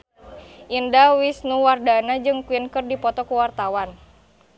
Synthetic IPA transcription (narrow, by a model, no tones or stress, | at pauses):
ʔindawisnuwardanad͡ʒɨŋkuwinkɨrdipɔt̪ɔkuwart̪awan